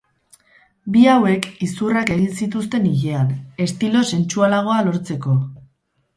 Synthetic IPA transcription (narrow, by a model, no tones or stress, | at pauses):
biawe̞kisurake̞ɣinsit̪ust̪e̞niʎe̞ane̞st̪ilo̞se̞nt͡ʃualaɣ̞o̞alo̞ɾt͡se̞ko̞